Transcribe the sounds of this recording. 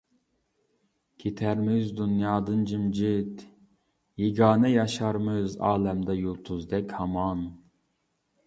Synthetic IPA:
ɡ̥ʲʰet̪ʰæɾmɪzd̪unjɑːd̪ɨnd͡ʒimd͡ʒit̪ | jeɡɑːnɛjɑʃɑɾmɨzɑ̰ːlɛmd̪ɛjulˠt̪ʰuzd̪ɛkʲhɑmɑn

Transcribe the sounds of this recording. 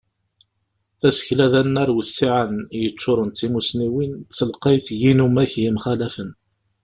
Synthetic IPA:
θæsə̥çlæðænːæɾwəsːiʕanjət͡ʃːʊɾˤənt̪ːimusniwint͡sːəlqejθjinumæçjimχælæfən

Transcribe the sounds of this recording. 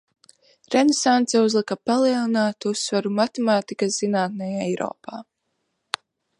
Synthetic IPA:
ɾɛnesant̪sɛuzlˠikapalˠiɛlˠinaːt̪usːvaɾumat̪emaːt̪ikasz̥inaːt̪nɛjaɛjɾɔ̰ːpaː

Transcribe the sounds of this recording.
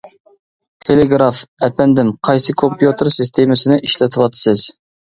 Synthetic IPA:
t̪ʰelɪɡɾɑfɛpʰɛnd̪ɪmqʰɑjsɨkʰompjut̪ɨɾsist̪ʰemɪsɪnɪʔiʃlɪt̪ʰɨwɑt̪ʰɨ̥sɨz̥

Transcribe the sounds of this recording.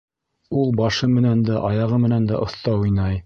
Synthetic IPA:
ulˠbɑʃɤmɘ̆nænd̪æʔɑjɑʁɤmɘ̆nænd̪æʔŏθt̪ɑujnɑj

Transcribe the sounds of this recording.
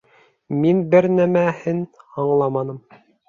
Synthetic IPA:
minbɘɾnæmæhɘnɑɴlˠɑmɑnɤ̆m

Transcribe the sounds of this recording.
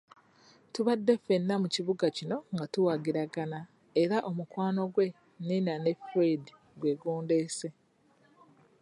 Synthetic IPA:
tuβadːe̞fe̞nːamuciβuɡacino̞ŋɡatuwaɡiɾaɡana | eɾaʔo̞mukwaːno̞ɡwe̞ | ninane̞fedi | ɡwe̞ːɡuːnde̞ːse̞

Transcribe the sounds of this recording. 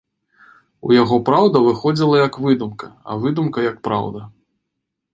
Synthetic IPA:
ṵjaɣɔpɾawd̪ɐvɨxɔd͡zʲilˠɐjɐkvɨd̪umkɐɐ̰vɨd̪umkɐjɐk̚pɾa̰wd̪ɐ

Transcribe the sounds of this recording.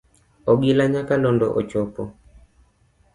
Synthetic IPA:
ɔɡilaɲakalɔndɔʔɔt͡ʃɔpɔ̰

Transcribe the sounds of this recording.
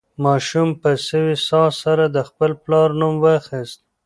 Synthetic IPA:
mɑʃumpəsəwisɑsaɾad̪əxpəlplɑɾnumwəxist̪̚

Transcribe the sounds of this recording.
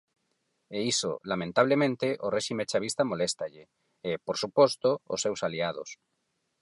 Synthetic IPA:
eiso̰lamẽnt̪aβlemẽnt̪eʔoreʃimet͡ʃaβist̪amolest̪aʎɪː | poɾsupɔst̪oo̰sːewsaliað̞o̰s

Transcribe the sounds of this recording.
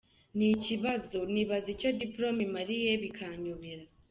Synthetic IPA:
niciβazuniβazico̞dipɾo̞mimaɾijeβikʰaɲuβiɾa

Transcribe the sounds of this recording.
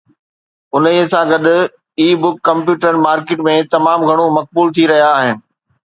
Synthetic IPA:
ʊnəisãɡɐɗ̪ʊ̆ | iːbʊkːɐ̃mpjuːʈɾən̆maːɾkeːʈmẽt̪ɐmaːmɡʱɐɽ̃omɐk̚buːlt̪ʰiɾɐɦijaːɦɪnɪ̆

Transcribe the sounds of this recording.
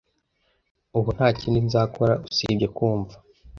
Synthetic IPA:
uβun̥haːciːndizaːkʰoɾausḭbɟe̞kuːɱvḁ

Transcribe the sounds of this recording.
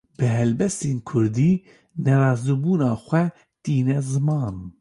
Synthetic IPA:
b̥ɨɦɛlbɛst̪eːnkʰʊɾd̪iː | nɛɾɑːzubuːnɑːxʷɛ | t̪iːnɛzɨmɑːn

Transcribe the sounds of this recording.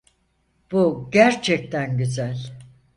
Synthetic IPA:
b̥uɟæɾt͡ʃʰɛc̚t̪ʰænɟyzælʲ

